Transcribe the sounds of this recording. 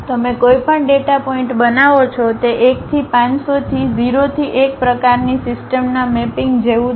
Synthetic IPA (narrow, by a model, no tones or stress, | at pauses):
t̪əmekojpəɳɖeʈapɔɪ̃ɳʈbənaʋot͡ʃʰɔt̪eʔek̚t̪ʰipãɲsot̪ʰiziɾot̪ʰiʔek̚pɾəkaɾnisɪsʈəmnamepĩŋɡd͡ʒeũ